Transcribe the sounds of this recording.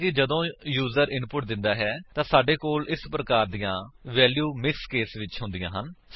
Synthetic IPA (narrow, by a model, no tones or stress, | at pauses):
kɪd͡ʒəd̪õːjuːzəɾɪnpʊʈ̚d̪ɪnd̪aːɦɛːt̪ãːsaːɖeːkoːlʔɪspɾəkaːɾd̪ijãːʋɛːljuːmɪkskeːsʋɪt͡ʃɦʊ̃nd̪ɪjãːɦən